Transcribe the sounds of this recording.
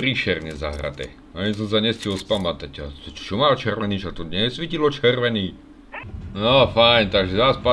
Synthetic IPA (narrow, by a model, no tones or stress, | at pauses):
ɾiʃɛrɲɛza̰ɦɾa̰t̪ɛ̰ | aɲis̬ɔms̬aɲɛscɛlspamat̪aca̰t̪ɛ̥t͡ʃɔmaːt͡ʃɛrʋɛniːt͡ʃat̪ɔɲɛsʋicilɔt͡ʃɛrʋɛniː | nɔfajnt̪aɡʒɛzaspa